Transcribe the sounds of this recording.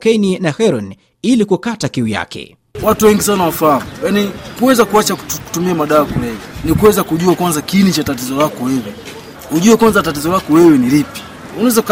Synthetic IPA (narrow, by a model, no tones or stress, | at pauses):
kɛjninahɛɾɔn | ilikukatakiuja̰kɛ̰ | watuwɛŋɡis̬anawafaamujanikuwɛzakuat͡ʃaku̥tumiamaɗaːkulɛinikuwɛzakuʄuakwanzakinit͡ʃatat̬izɔlakɔwɛwɛ | huʄuɛkwanzatatizɔlakɔwɛwɛnilipi̥ | unawɛza